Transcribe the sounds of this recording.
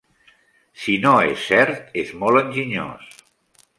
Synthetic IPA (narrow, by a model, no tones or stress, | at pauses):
sinoesːɛɾt̪ezmolˠənʲʒiɲo̰s